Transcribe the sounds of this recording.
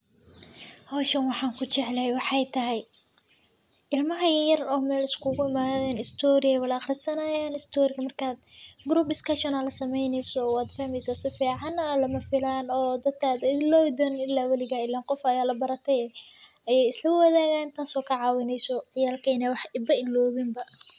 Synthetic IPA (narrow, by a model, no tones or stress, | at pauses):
hɔwʃɐnwɑħɑːŋkʰʊt͡ʃɛʕlɐɦɛjwɑħɑjt̪ʰɐɦɛj | ʔɪlmɐɦɐjɐjɐrɔːmɛːlɪskʰʊɣʊɪmaːðɛːnɪst̪ʰɔːɾɪɛwɐlɐχrɪsɐnɐːjaːnɪst̪ʰɔːɾɪkɐmɐrkʰaːd̪ɡɾuːp̚d̪ɪskʰɐʃɔnɐlɐsɐmɛjnɛjsɔwaːd̪fɐhmɛjsaːsɪfiːʕɑnalɐmɐfɪlaːnɔːd̪ɐd̪̚kʰaːd̪ɪlɔːd̪ɐnnɪlːaːwɐlɪɣaɪlːaːqɔfɐjaːlɐbɐɾɐt̪ʰɛjɛː | ɐjɛjɪslɐwɐðaːɣaːnnt̪ʰaːnsɔːkʰɐʕɑːwɪnɛjsɔʕɪjaːlkʰɛnɛwɑħɪbɐʔɪlɔːβɪmbɐ